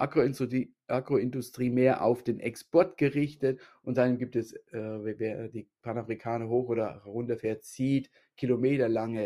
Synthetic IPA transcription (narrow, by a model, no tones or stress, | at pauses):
ʔaʁo | ʔaɡʁoɪndʊstʁ̥iːmeːɐʔa̰ʊfd̥eːnʔɛkspʰɔɐtɡ̥əʁɪçtətʔʊntz̥anmɡiːp̚tɛsvveːɐdiːpʰanafʁikʰaːnɐɦoːxoːdɐʁʊntɐfɛːɐtt͡siːt | kʰilomeːtɐlaŋə